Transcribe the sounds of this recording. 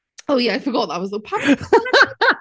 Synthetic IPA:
oʊjæaɪfəɡɔt̪̚ðət̚wʌzlɪpʰapə

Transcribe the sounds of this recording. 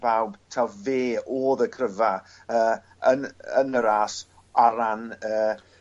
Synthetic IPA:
b̥awbtʰawveːoːðəkʰrəva | əː | ənənəɾaːs | aɾanəː

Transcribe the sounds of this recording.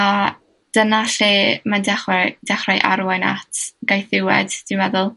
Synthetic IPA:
a | d̥ənaɬimandɛχwɛd̥ɛχrajʔa̰ɾwɛna̰tʰɡ̥ajθɪwɛ̰d̥d̥ɪwmɛðʊlˠ

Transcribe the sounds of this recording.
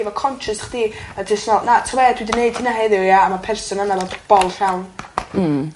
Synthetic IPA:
ivɔkʰɔnʃəsḁχd̥iadɪsnɔlnatʰɔmaadwidɪneɨd̥hinaɦɛðɪjaːmapʰɛrsɔnanːalɔb̥ɔlˠɬawn̩

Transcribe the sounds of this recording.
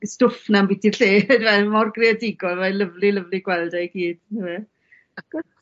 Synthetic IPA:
stʊfnambitʰirɬeːdvɛmɔrɡriadɪɡɔlˠmajləvliləvlˠiɡ̥wɛlˠdɛɡ̥iːd̥nəwɛ | ɡ̥

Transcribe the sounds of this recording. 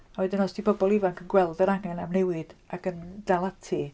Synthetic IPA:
awɛdɪnɔsd̥ibɔbɔlˠivaŋkʰənɡwɛlˠdɛɾaŋɛnamnɛwɪd̥akənd̥alˠatʰi

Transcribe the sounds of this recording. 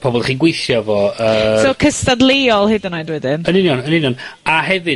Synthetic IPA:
pʰɔbɔlˠχiːnɡwejθjɔvɔəsokʰəstadlˠeɔlˠhɪdənajdwɛdɪnənɪnjɔnənɪnjɔnaɦɛvɨ

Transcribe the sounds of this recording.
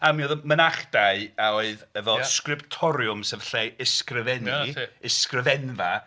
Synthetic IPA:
amiɔðəmənaχd̥aɨaoɨðɛvɔskrɪptʰɔɾjʊmsɛðɬejɪskrɪvɛniɪskrɪvɛnva

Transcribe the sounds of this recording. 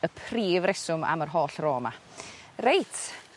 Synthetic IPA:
əpʰriːvrɛsʊma̰mərɦoːɬroːmarejtʰ

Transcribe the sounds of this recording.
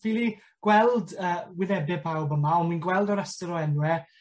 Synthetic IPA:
fiːlˠi | ɡ̥wɛlˠdəːwɪðɛbɪpʰawbəmaɔnminɡwɛlˠdɔɾɛstɔɾɔɛnwɛ

